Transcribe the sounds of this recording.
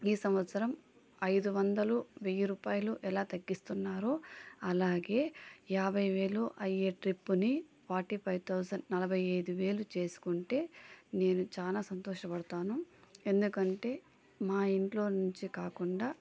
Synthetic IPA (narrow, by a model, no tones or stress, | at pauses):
iːsɐmʋɐt̪sɐɾɐm | ɐjd̪uʋɐnd̪ɐluʋeːjuɾuːpaːjɐluʔɛlaːt̪ɐɡːist̪unːaːɾuɐlaːɡe̞ːjaːbʱɐjʋe̞ːɭuʔɐjeːʈɾipːuni | paːɾʈipʰɐjʋt̪ʰɐwsɐnnɐlɐbʱɐjɐjd̪uʋe̞ːlut͡ʃe̞ːsu̥kuɳʈe̞ːne̞ːnut͡ʃaːlaːsɐnt̪ɔːʃɐpɐɽut̪aːnue̞nd̪ukɐɳʈe̞ː | maːiɳʈlo̞ːnuɲt͡ʃikaːkuɳɖaː